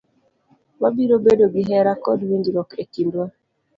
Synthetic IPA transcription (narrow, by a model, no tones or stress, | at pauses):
wabiɾobedoɡiɦɛɾakɔdwiŋɡiɾɔkekindwa